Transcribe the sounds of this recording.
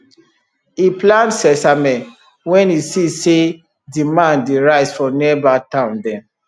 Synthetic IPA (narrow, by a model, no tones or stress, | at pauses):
iplãndsɛsamɛ̃n | wɛ̃nisise | dimãndeɹaɪzfɹɔ̃mniɛbatãʊ̃ndɛ̃m